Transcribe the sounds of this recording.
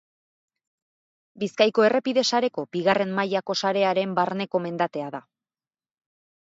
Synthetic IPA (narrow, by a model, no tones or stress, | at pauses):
biskajko̞e̞re̞piðe̞saɾe̞ko̞b̥iɣare̞mmajako̞saɾe̞aɾe̞mbaɾne̞ko̞me̞nd̪at̪e̞aða